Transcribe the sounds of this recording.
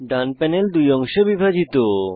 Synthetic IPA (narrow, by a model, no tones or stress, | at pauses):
ɖanpɛneld̪ujɔŋʃebibʱad͡ʑit̪o